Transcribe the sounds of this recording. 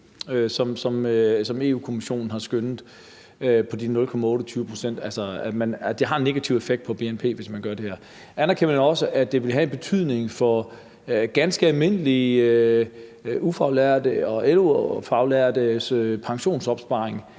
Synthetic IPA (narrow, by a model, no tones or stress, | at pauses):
øsɒ̽msɒ̽msɒ̽me̝̰ːuːkʰo̝miɕo̝̰ːnn̩ɦɑ̈sɡ̥ønð̩ˠ | øpʰɒ̽d̥inɔ̽lkʰɒ̽mæɔ̽ːɾ̥ɒt͡sʰyːʊəpʰʁo̝sen̰d̥ælsɐæ̥mænd̥e̝ɦɑ̈nːe̝ɡ̥æt͡sʰiʊ̰e̝feɡ̥̚d̥pʰɒ̽b̥e̝enpʰe̝̰ːʋe̝smænɡ̥ɶɐd̥e̝heɐ̰ | ʔænɐkʰenɒ̽səʔæd̥e̝ʋe̝lɦæe̝nb̥e̝t͡sʰyð̰ˠne̝ŋfɒ̽ | ɡ̥ænsɡ̥əælme̝n̰əli | ufɑ̈ʊlæɐ̰d̥əɒ̽elufɑ̈ʊlæɐd̥əsøpʰɑ̈ŋɕo̝̰ːnsɒ̽b̥sb̥ɑ̈eŋ